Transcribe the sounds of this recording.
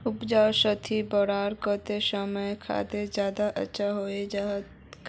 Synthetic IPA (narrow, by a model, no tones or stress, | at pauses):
ʊpd͡ʒaːʃət̪ʰibɔɾaːɾkət̪esəməjkʰa̰ːt̪ezjaːd̪aʔə̰tːʃʰaɦoːed͡ʒaɦt̪ | k